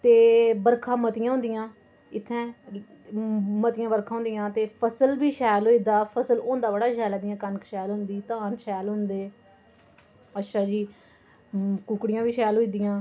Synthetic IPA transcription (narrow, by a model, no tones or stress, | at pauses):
t̪eːbəɾkʰãːmət̪ɪjãɦʊ̃nd̪ɪjãː | ɪt̪ʰːɛ̃ː | mət̪ɪjãːbəɾkʰãːɦʊ̃nd̪ɪjãːt̪eːpʰəsəlbiːʃɛːlɦoːiːd̪aːpʰəsəlõːnd̪aːbəɽaːʃɛːlaːd̪ɪjãːkənkʃɛːlɦʊ̃nd̪iːt̪ãːnʃɛːlɦʊ̃nd̪eː | ətːʃʰaːd͡ʒiː | kuːkɽɪjãːbiːʃɛːlɦoːiːd̪ɪjãː